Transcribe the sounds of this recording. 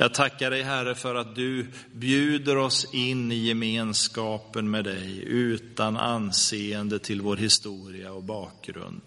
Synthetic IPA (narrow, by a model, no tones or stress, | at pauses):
jɑːɡ̚t̪ʰakːaɖɛjɦæɾəfœɾat̪̚d̪ɵ | bjʉ̟ːd̪əɾɔsɪnːɪjɛmeːnskɑːpənmɛːd̪ɛjʉ̟ːt̪ana̰nseːənd̪ət̪ʰɪlvoːɾhɪst̪uːɾɪaɔbɑːk̚ɡɾɵ̰nd̪